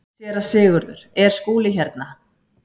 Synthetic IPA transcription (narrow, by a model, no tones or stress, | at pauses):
jɛːɾasɪːɣʏɾðʏ̰ɾ̥ɛɾ̥skuːlɪçɛɾt̪na